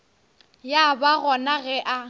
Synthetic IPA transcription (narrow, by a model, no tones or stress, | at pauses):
jabaɣɔnaɣɛʔa